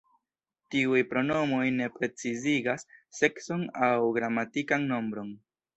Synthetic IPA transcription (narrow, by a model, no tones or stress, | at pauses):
tiujpɾo̞no̞mo̞jne̞pɾe̞t͡siziɡasːe̞kso̞nawɡɾamatikanno̞mbɾo̞n